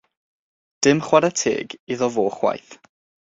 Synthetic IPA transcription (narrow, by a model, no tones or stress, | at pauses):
d̥ɪmχwadatʰḛːɡiðɔvoːχwa̰jθ